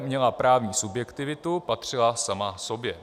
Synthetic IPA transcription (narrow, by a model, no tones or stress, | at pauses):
mɲɛlapɾaːvɲiːsubjɛkt̪ɪvɪt̪upat̪r̝̥ɪlasamasobjɛ